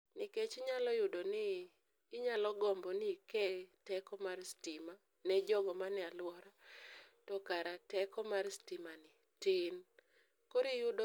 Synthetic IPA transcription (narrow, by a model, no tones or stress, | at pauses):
nɪket͡ʃɲalɔjʊdonɪː | ɲalɔɡɔmbɔnikɛtɛkɔmarstɪma | nɛd͡ʒɔɡɔmanɪalwɔɾatɔkaɾatɛkɔmarstɪmanɪ | tɪn | koɾijʊdo